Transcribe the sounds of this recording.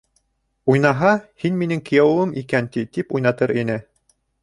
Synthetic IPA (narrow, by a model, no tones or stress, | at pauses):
ujnɑɦɑhinminɘŋkɘ̆jæwˠɤmikænt̪it̪ipujnɑt̪ɤɾinɘ